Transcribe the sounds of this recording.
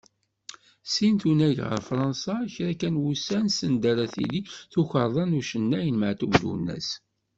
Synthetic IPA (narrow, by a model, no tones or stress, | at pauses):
sint̪unæʝʁə̰ɾˤfɾˤɑnsɑçɾækænwusænsənd̪æɾˤaθḭliθuçəɾˤðˤɑnuʃənːæjənməʕt̪ubd̪ṵnːæ̰s